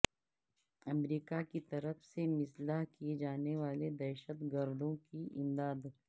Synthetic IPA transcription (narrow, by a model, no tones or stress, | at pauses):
ɐmɾiːkakit̪ɐɾəfsemɪslaɦkied͡ʒaːneʋaːled̪ɛːʃət̪ɡɐɾd̪õkiʔɪ̰̃nd̪aːd̪